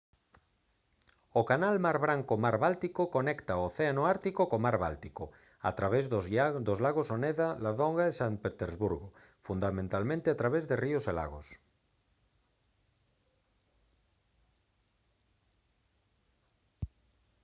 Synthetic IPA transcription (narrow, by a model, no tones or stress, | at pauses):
okanalmaɾβ̞ɾaŋkomaɾβalt̪ikokonekt̪aoθeanoaɾt̪ikokomaɾβa̰lt̪iko | a̰t̪ɾaβezd̪ozlaɣ̞osoneðalaðoŋɡaesaŋpet̪eɾzβuɾɣo | fund̪amẽnt̪almẽnt̪eat̪ɾaβezðeriosela̰ɣ̞os